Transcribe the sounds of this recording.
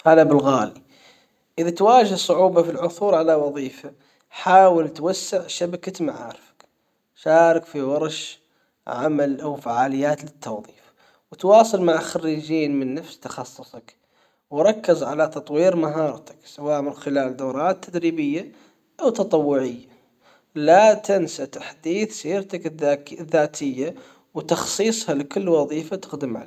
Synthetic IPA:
haːðabɪlɣaːli | ʔɪðat̪waːd͡ʒɪhsˤʊʕuːbafilʕʊθuːɾˤʕalawɑðˤiːfa | ħaːwɪlt̪wasːɪʕʃabakat̪maʕa̰ːɾɪfḁk | ʃaːɾˤɪkfiwɑɾˤʃ | ʕamalʔawfaʕaːlɪjːaːt̪lɪt̪ʰːɑwðˤiːf | wɪt̪wɑːsˤɨlmaʕaxarːid͡ʒiːnmɪnːafst̪ɑ̥xɑsˤːʊsˤɑk | wɾˤɑkːɪzʕalat̪ɑt̪ˤwiːɾmaɦɑːɾˤt̪ḁksawaːʔmɪnxɪlaːld̪oːɾˤɑːt̪ʰːad̪ɾiːbɪjːa | ʔawt̪ɑt̪ˤɑwːʊʕɪjːa | lat̪ɪnsat̪ḁħd̪iːθsiːɾt̪akːðːaːt̪ʰɪjːa | wt̪ɑxsˤiːsˤhɑlɪkʊlːwɑðˤiːfat̪ɪxd̪ɪmʕa̰

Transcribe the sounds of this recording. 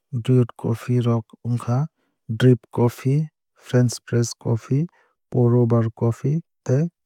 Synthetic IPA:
diʈkɔpʰiɾɔkuŋkʰa | dɾipkɔpʰi | pʰɾɛnspɾeskɔpʰi | pɔɾɔbaɾkɔpʰit̪e

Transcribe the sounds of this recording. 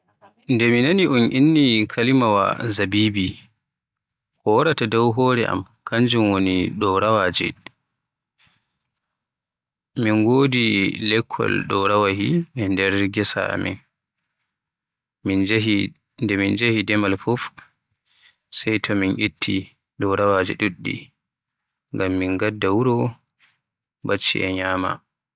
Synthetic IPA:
ndɛminaniʔunʔinːikʰalimawa̰zabibi | kɔwaɾatadɔwɦɔɾɛʔa̰m | kʰaɲd͡ʒumwoniɗɔɾawad͡ʒɛ̰ | minɡoːdilɛkʰːɔ̰lɗɔɾawaɦiɛndɛɾɡɛsa̰a̰mḭn | m | ndɛmind͡ʒahidɛmalfɔf | sɛjtʰɔminʔitʰːi | ɗɔɾawad͡ʒɛ̰ɗuɗːḭ | ŋɡamːinɡadːawuɾɔ | bat͡ʃːḭʔɛɲaːma̰

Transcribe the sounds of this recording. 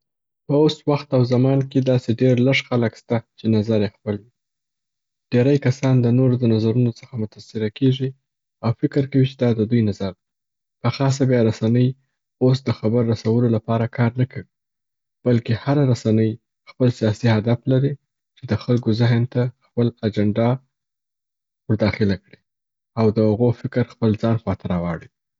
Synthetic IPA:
pəoswaxt̪awzamɑnked̪ɑseɖeɾləʂxaləkst̪at͡ʃenazaɾjexpəlwi | ɖ̥eɾajkasɑnd̪ənoɾod̪ənazaɾunot͡sə̥xamʊt̪asɪɾakeʐi | awfɪkəɾkawit͡ʃed̪ɑd̪əd̪ujnazaɾd̪a | pəxɑs̬abjɑɾasanəj | os̬d̪əxabəɾːasawəlolapɑɾakʰɑɾnakʰawi | b̥alkehaɾaɾasanəj | xpəlsijɑsihad̪aflaɾi | t͡ʃed̪əxalɡozɪɦnt̪axpəlad͡ʒaɳɖɑ | wəɾd̪ɑxɪlakɽi | awd̪əhaɣofɪkɾxpəld͡zɑnxwɑt̪ɪɾawɑɽi

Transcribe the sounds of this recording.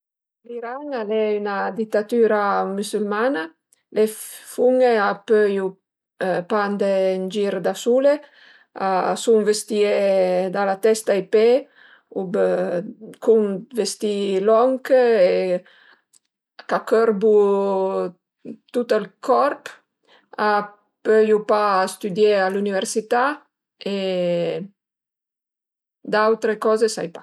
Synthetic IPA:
liɾaŋalɛynad̪it̪ːat̪yɾamysylmana | lefuŋeapøju | pand̪end͡ʒiɾd̪asule | asuŋvest̪ied̪alat̪ɛst̪ajpe | ub | kuŋvest̪ilɔŋke | kakøɾbu | t̪ut̪alkʰɔɾp | a | pøjupaːst̪yd̪jealunivɛɾsit̪a | e | d̪awt̪ɾekɔzesa̰jpa

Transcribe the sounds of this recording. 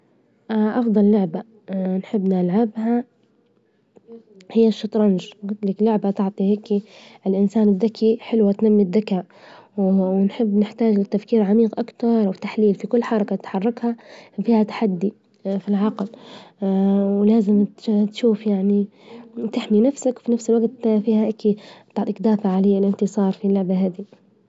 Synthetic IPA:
ʔʔɑfd̪ˤɑlːʊʕba | nħɪbːnɪlʕabha | hɪjːaʃːɑt̪ˤɾˤɑnʒɡʊt̪laklʊʕbat̪ɪʕt̪ˤiheːkiɪlʔɪnsaːnɪd̪ðakʰːiħɪlwat̪namːɪd̪ːakaːʔ | wwnħɪbːnɪħt̪aːd͡ʒlɪt̪ːafkiːɾʕamiːqʔakt̪ɑɾˤwɪt̪ːaħliːlfikʊlːħɑɾˤɑkat̪ħɑrˤːɑkhafiːhat̪ḁħad̪ːi | filʕɑql | wlaːzɪmt̪ʃuːfjaʕni | t̪ɪħminafsakwfinafsɪlwaɡt̪fiːhaʔakit̪ɑʕˤɪkd̪aːfaʕaleːɪlʔɪnt̪ɪsˤɑːɾˤfilʊʕbaɦaːd̪i

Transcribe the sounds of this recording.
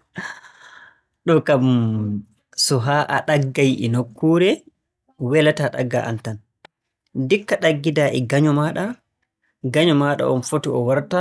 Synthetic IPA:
ɗɔkam | sɔɦaːʔa̰ɗaɡːajɛnokʰːuɾɛ | wɛlataɗa̰ɡːa̰ʔa̰ntan | dikːaɗaɡːidaːʔɛɡaɲɔmaːɗa | ɡaɲɔmaːɗa̰ʔɔnfotiɔwaɾta

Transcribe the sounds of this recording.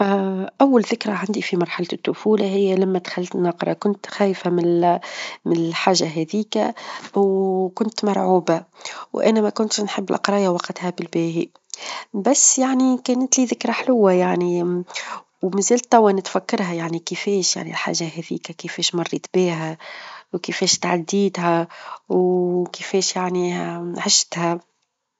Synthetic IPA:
ʔæwːalðɪkɾaʕand̪ifimɑɾˤħalat̪ːʊfuːlahɪjːælæmːæd̪xælːt̪nːɑqɾˤɑkʊnt̪xæːjfæmɪ | mɪnɪlħaːʒːaɦɛðiːkæwkʊnt̪mɑɾˤʕuːbawʔæ̰næmækʊnt̪ʃnħəbːɪlʔɑ̰qɾˤɑːjawɑqt̪hæbɪlbɛːhi | bæsːjaʕnikɛːnət̪liːðɪkɾaħlʊwːajaʕni | wmæzæːlt̪ˤːɑwːanɪt̪fækːɑɾˤɦæjaʕnikəfɛːʃja̰ʕnḭlħa̰ːʒːaɦɛðḭːkækɪfɛːʃmɑrˤːiːt̪biːɦæwkəfɛːʃt̪aʕad̪iːt̪ɦæwkɪfɛːʃjaʕniʕɪʃt̪hæ

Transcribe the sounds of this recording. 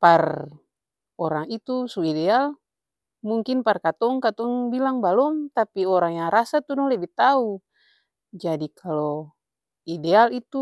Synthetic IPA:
par | ɔɾaŋit̪usuidɛal | muŋkinparkat̪ɔŋkat̪ɔŋbilaŋbalɔmt̪apiɔɾaŋjaŋɾasat̪udɔŋlɛbɛht̪au | d͡ʒadikʰalɔ | idɛalit̪u

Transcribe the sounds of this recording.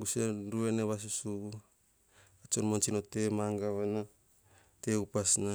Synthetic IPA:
ɡuseɾueneβas̬usu | at͡ʃonmont͡ʃinote̞maŋɡaβana | teupasna

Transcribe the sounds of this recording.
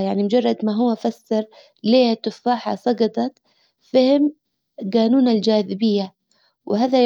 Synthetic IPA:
jaʕnimʊd͡ʒɑrˤːɑd̪maɦʊwːafasːɑɾ | leːhat̪ːʊfːaːħa̰sˤɑɡɑt̪ˤɑt̪ | fɪhɪm | ɡaːnuːnald͡ʒaːðɪbɪjːa | wɪhaːða

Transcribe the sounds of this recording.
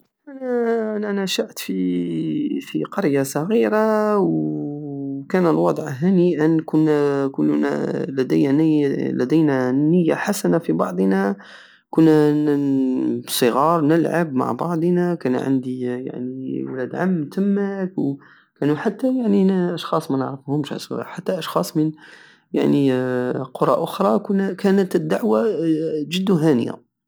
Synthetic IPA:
ʔænænænæʃaʕt̪fi | fiqɑɾjasˤɑɣiɾaw | kænəlwɑd̪ˤʕɦæniʔənkʊnːkʊlːnæ̰læd̪ənlæd̪ijnænːəjːaħasænafibɑʕd̪ˤnæ | kʊnːæ | sˤəɣɑɾˤnəlʕabma̰ʕbɑ̰ʕd̪ˤnækæn̰ʕa̰nd̪ija̰ʕniwlæd̪ʕamːt̪ʰəmːækw | kænuħat̪ːæjaʕninʔɑʃxɑsˤmænəʕɾəfhʊmʃa̰sħat̪ːæʔɑʃxɑsˤmən | ja̰ʕniqoɾˤɑʔʊxɾˤɑkʊnækænət̪əd̪ːaʕwaʒəd̪ːuɦænə̰ja̰

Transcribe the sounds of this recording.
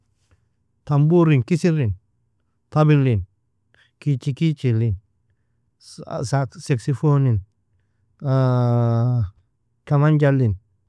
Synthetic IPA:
t̪ambuɾinkisiɾin | t̪abilin | kit͡ʃikit͡ʃilin | sasɛksifonin | kamand͡ʒalin

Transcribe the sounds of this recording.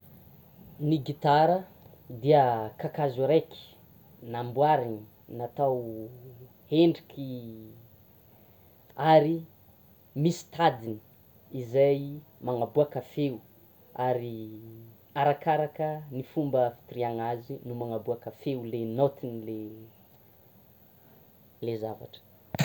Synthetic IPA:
niɡit̪aɾə | d̪iəkakazuɾeki̥ | nambwaɾini | nat̪aw | heɳɖ͡ʐikʰʲi | aɾi | misi̥t̪ad̪ini̥ | izajmaŋabuakafewu | aɾi | aɾakaɾakənifumbəfi̥t̪iriaŋazinumaŋabuakafeulenot̪inile | lezava̰ʈ͡ʂə̥

